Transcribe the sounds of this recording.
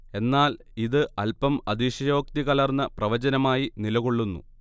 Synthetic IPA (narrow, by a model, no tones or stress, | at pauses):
e̞nːaːl | iðɨɐlpɐmɐd̪iɕɐjo̞ːk̚t̪iɣɐlɐrnːɐprɐʋɐd͡ʑɐnɐmaːjinilɐɣo̞ɭːunːṵ